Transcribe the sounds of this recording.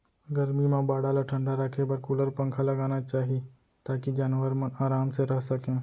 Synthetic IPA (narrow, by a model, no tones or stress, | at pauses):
ɡəɾmimãbaːɽaːlaʈʰɐ̃ɳɖaɾɐkʰebɐɾkʊləɾpɐ̃ŋkʰalɐɡaːnat͡ʃaːɦie | t̪aːkid͡ʒaːnʋəɾmɐnaːɾaːmseɾɐɦsɐkẽː